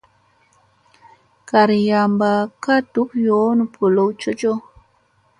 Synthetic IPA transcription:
ka˨ɾi˨ja˨mba˨ka˦tu˦kjo˦nu˨pʰu˨lo˨wt͡ʃo˦t͡ʃo˦

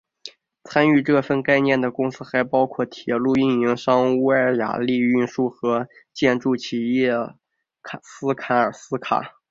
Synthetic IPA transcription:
t͡sʰa˥ny˥˧ʈ͡ʂɤ˥˩fə˥˧nka˥˧ɪnjɛ˥˩nd̪ə˩kʊ˥ŋsɹ̩˥xa˧˥ɪpɑ˥ʊkʰwɔ˥˩t̪ʰjɛ˨˩lu˥˧y˥˩ni˧˥ŋʂɑ˥ŋu˥ə˞˧˥ja̰˨˩li˥˧y˥˧nʂu˥˩xɤ˧˥ | t͡ɕjɛ˥˧nʈ͡ʂu˥˩t͡ɕʰi˧˩jɛ˥˩ | sɹ̩˥kʰa˧˥ə˞˨˩sɹ̩˥kʰa̰˨˩

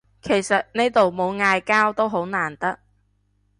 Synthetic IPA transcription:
kʰe˨˩jsɐ˨t̚ne˥jt̪o˨wmo˨˧wŋaː˧jkaː˥wt̪o˥wɦo˨˥wnaː˨˩nt̪ɐ˥k̚

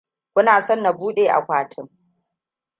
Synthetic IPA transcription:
kʷʊ˦naː˨sɔ˦nːa˨buː˦ɗeː˨ʔa̰˨kʷaː˨tʰɪ˦ŋ

